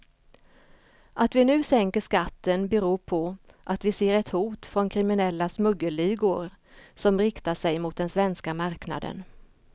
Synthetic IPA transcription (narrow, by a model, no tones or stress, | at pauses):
ʔat̪vɪnʉ̟ːsɛŋkəʂkat̪ːənbɛɾuːpʰɔʔat̪vɪseːɾɛt̪huːt̪fɾɔnkʰɾɪmɪnɛlːasmɵɡːəliːɡʊɾ | sɔmɾɪkt̪aʂɛjmʊt̪̚d̪ɛnsvɛnskamaɾkna̰d̪ə̰n